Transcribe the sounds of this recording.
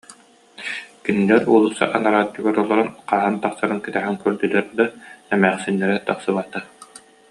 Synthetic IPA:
kynilɛɾɔlˠusa̰ʔanaɾaːt̪ːuɡaɾɔlˠɔɾɔnqaːɦɯnt̪aqsaɾɯnkɛt̪ɛɦɛŋkœɾd̪ylɛɾd̪aɛmæːχsinːɛɾɛt̪aχsɯβat̪a

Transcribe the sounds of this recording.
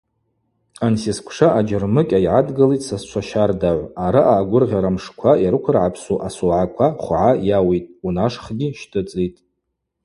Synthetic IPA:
ansiskʷʰʂaʔad͡ʒɪrmɨkʲʼajʕadɡalitʼsast͡ʃʷʰaʃardaʕʷaɾaʔaːɡʷʊrʁʲaɾamʂkʷʰajaɾɨkʷʰʊrʕapʰsuʔasoʕakʷʰaχʷʕajawijtʼunaʂχɡʲiʃtʰɨt͡sʼitʼ

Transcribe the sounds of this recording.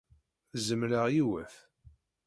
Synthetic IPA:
zəmləʁjiwæθ

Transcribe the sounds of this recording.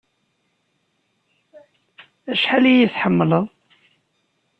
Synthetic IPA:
æʃħalijiθħəmːələðˤ

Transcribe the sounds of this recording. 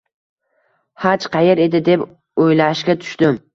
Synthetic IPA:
hat͡ʃqʰɑjeɾe̞d̪ɪd̪e̞p | ojlaɪʃɡʲat̪ʰʊ̥ʃt̪ɪm

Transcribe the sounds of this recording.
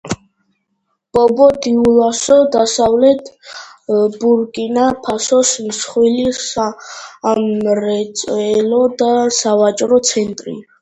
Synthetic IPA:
b̥ɔbɔd̪iulasɔd̪asavlɛt̪ʰ | buɾkʼinapʰasɔsmsχwilisa | mɾɛt̪sʼɛlɔd̪asavat͡ʃʼɾɔt̪sʰɛnt̪ʼɾḭ

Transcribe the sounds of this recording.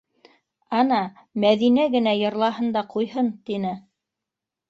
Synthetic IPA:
ɑnɑ | mæðinæɡɘ̆næjɤ̆ɾlˠɑɦɤ̆nd̪ɑqujɦɤnt̪inɘ

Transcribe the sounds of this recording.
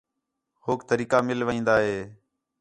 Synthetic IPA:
hoːk̚t̪əɾiːkaːmɪlʋəĩːnd̪aːɦeː

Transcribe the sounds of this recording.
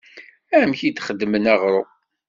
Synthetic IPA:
æmçid̪χəd̪ːmənæʁɾˤo̰

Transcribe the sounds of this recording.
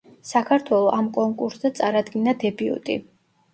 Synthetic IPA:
sakʰaɾt̪ʰwɛlˠɔʔamkʼɔŋkʼuɾszat̪sʼaɾad̪ɡinad̪ɛbiṵt̪ʼḭ

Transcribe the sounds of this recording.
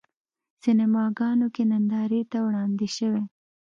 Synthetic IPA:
sɪnɪmɑɡɑnokenand̪ɑɾit̪awɽɑnd̪iʃəwe

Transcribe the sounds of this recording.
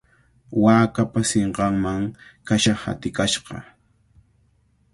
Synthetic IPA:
waːkapaseɴɢɑŋmaŋkaʃaχha̰t̪ɪkaʃɢɑ̰

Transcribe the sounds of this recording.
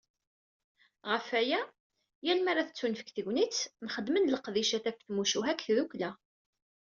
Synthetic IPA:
ʁəfæjæ | jælmæɾaθt͡sːunfə̥kθəʝnit͡sːnχəd̪mənləqðiʃæθæfθmuʃuɦækθðuklæ

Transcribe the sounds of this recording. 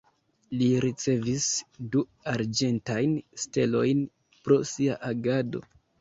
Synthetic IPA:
liɾit͡se̞visduaɾd͡ʒe̞ntajnste̞lo̞̰jn | pɾo̞siaʔaɡado̞̰

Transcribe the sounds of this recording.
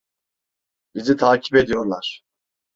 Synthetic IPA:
bizit̪ʰaːcʰi̥pe̞d̪ijo̞ɾlˠaɾ̥

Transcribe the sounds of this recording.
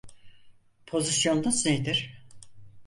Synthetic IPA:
pʰo̞zisjo̞nːɯzned̪iɾ̥

